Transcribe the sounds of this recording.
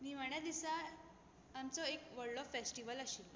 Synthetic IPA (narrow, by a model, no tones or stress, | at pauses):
miːm̤əɳjad̪isa | amt͡sɔekʋəɾɖɔfːesʈiʋəlaɕiːl